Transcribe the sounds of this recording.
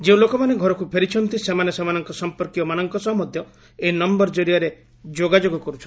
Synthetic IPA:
d͡ʒeũlokɔmaneɡʱɔɾɔkupʰeɾit͡ʃʰɔnt̪isemanesemanɔŋkɔsɔmpɔɾkiɔmanɔŋkɔsɔmɔd̪ʱjɔ | einɔmbɔɾd͡ʒɔɾiaɾe | d͡ʒoɡad͡ʒoɡɔkɔɾut͡ʃʰɔn

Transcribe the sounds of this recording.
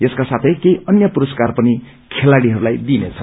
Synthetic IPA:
eskasat̪ʰʌjkejʔʌnjʌpuɾʌskarpʌni | kʰelaɽiɦʌɾulajd̪inet͡sʰʌ

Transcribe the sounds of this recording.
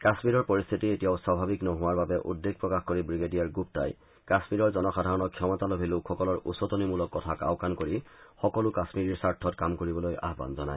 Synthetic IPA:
kasmiɹɔɹpoɹist̪ʰitietijaʊswabʱabiknɔɦʊaɹbabɛʔṵdːeɡ̚pɹɔkaxkoɹibɹiɡedijaɹɡup̚ta̰j | kasmiɹɔɹzɔnɔxadʱaɹɔnɔkʰːɔmɔtalobʱilukxɔkɔlɔɹʔṵsɔtɔnimulɔkːɔtʰaka̰ʊkankoɹixɔkɔlʊkasmiɹiɹsaɹtʰːɔtkamkoɹibɔloja̰ɦba̰nzɔna̰j

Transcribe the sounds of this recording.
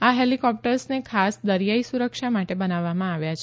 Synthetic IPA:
aɦelikɔp̚ʈəɾsnekʰasd̪əɾjaisuɾəkʃamaʈebənaʋːamãaʋjat͡ʃʰe

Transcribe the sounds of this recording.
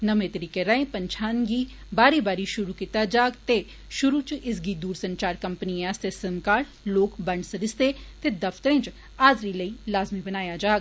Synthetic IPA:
nəmẽːt̪əɾiːkeɾɐẽːpəɲt͡ʃʰaːnɡiː | baːɾiːbaːɾiʃʊɾuːkit̪ad͡ʒaːɡt̪e | ʃʊɾut͡ʃɪs̬ɡiːd̪uːɾsənt͡ʃaːɾkəmpniɛːst̪esəmkaːʈ | loːkbəɳɖsəɾɪst̪et̪ed̪ɐft̪əɾẽːt͡ʃ | aːd̪ɾiləiːlaːzmibənaːjad͡ʒaːɡ

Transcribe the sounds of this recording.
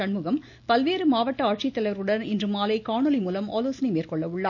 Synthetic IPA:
ɐɳmɯɣɐm | pɐlʋeːɾɯmaːʋɐʈːɐaːʈ̚t͡ʃɪt̪ːɐlɐɾɯɽɐnɪndrɯmaːlɐɪkaːɳɯlimuːlɐmaːloːsɐnimeːrkɔɭːɐʋɯɭːaː

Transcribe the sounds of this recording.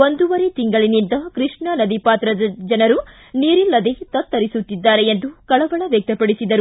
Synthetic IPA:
o̞nd̪uʋɐɾet̪iŋɡɐɭinind̪ɐkɾiʂɳɐnɐd̪ipaːt̪ɾɐd̪ɐd͡ʒɐnɐɾu | niːɾilːɐd̪e̞t̪ɐt̪ːɐɾisut̪ːid̪ːaːɾeend̪ukɐɭɐʋɐɭɐʋjɐk̚t̪ɐpɐɽisid̪ɐɾu

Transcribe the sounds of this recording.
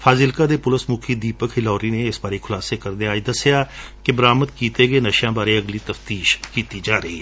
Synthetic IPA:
fʰaːzɪlkaːd̪eːpʊləsmʊkʰiːd̪iːpəkʰɪlɔːɾiːneːɪsbaːɾeːkʰʊlaːseːkəɾd̪eaːiːd̪əsːɪjaːkɪbəɾaːməd̪kiːt̪eːɡeːnəʃjãːbaːɾeːəɡliːt̪əft̪iːʃkiːt̪iːd͡ʒaːɾəḭː

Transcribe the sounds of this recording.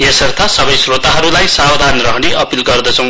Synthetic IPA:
jesʌrt̪ʰasʌbʌjsrot̪aɦʌɾulajsabd̪ʱanrʌɦneʔʌpilɡʌrd̪ʌt͡sʰʌ̃w̃

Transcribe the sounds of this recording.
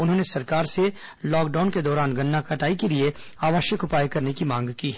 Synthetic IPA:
ʊnɦõːnesɐɾkaːɾse | lɔːk̚ɖaːnked̪ɔːɾaːnɡɐnːakɐʈaːikelie | aːʋəʃjəkʊpaːjkɐɾnekimãːŋɡkiːɦɛ

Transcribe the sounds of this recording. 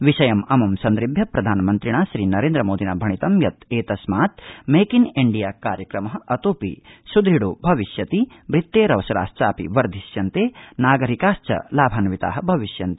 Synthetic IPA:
ʋiʃɐjɐmɐmɐmsɐnd̪ɾibʱjɐpɾɐd̪ʱaːnɐmɐnt̪ɾiɳaːʃɾiːnɐɾeːnd̪ɾɐmoːd̪ʱinaːbʱɐɳit̪ɐmjɐt̪eːt̪ɐsmaːt̪meːkineɳɖijaːkaːɾjɐkɾɐmɐɦɐʔɐt̪oːpḭsud̪ɾiɽoːbʱɐʋiʃjɐt̪i | bɾit̪ːeːɾɐʋɐʃɐɾa̰ːst͡ʃaːpḭʋɐɾd̪ʱiʃjɐnt̪eːnaːɡɐɾikaːst͡ʃɐ̰laːbʱaːnɐʋit̪a̰ːɦɐbʱɐʋiʃjɐnt̪i̥

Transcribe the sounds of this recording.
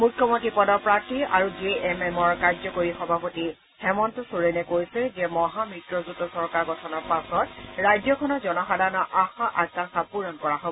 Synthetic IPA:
mukʰːjɔmontɹipɔdɔɹpɹaɹtiaɹud͡ʒeɛmɛmɔɹkaɹzɔkoɹixɔbʱapoti | xɛmɔntɔsuɹenɛkoɹisɛzɛmɔɦamɹitɹɔzutɔsɔɹkaɹɡɔtʰɔnɔɹpasɔtɹajd͡ʒɔkʰɔnɔɹzɔnɔxadʱanɔʔaxaʔak̚ːaŋxapuɹɔnkɔɹaɦobɔɔ

